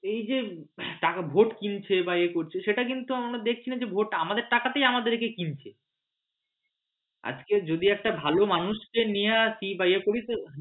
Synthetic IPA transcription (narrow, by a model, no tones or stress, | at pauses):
ejd͡ʑeʈakabʱoʈkint͡ɕʰebajekoɾt͡ɕʰeʃeʈakint̪uamaɾad̪ek̚ʰt͡ɕʰinad͡ʑebʱoʈamad̪eɾʈakat̪ejamad̪eɾkekint͡ɕʰe | a̰d͡ʑked͡ʑod̪iɛk̚ʈabʱalomanuʃkenijasibajekoɽit̪o